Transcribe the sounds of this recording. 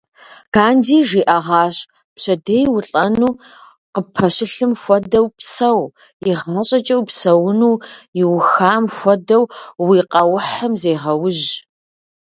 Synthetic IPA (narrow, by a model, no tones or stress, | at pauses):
kaːndiːʒiːʔɐʁɑːɕʼ | pɕɐdejwʊɬʼɐnuː | qəpʰɐɕɪɬɨmxʷɔdɐwpsɐw | iʁaːɕʼɐt͡ʃʼɐwpsɐwʊnuːjɪwʊxaːmxʷɔdɐwwiːqʼɐwʊħɐmzeːʁɐwʊʑ